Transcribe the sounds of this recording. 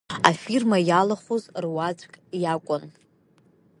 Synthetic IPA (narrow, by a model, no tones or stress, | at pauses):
afirmajalaχʷozrwad͡ʒʷʼkʼjakʷʼʊn